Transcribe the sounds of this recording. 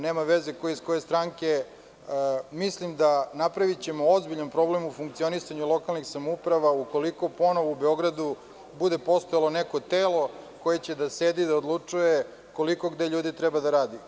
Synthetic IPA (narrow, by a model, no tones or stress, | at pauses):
neːmaʋezekojeisko̞je̞st̪ɾaŋke̞ | mislimd̪anapɾaʋit͡ɕe̞mo̞ozbiʎanpɾo̞ble̞mufuŋkt̪sio̞nisaɲulˠo̞kalˠnixsamoupɾaʋauko̞liko̞po̞no̞ʋoubeo̞ɡɾad̪u | bud̪e̞po̞st̪ojalo̞neko̞t̪eːlo̞ko̞je̞t͡ɕe̞d̪aseːd̪id̪aod̪lˠut͡ʂuje̞ | ko̞liko̞ɡd̪eʎuːd̪it̪ɾɛbad̪aɾaːd̪i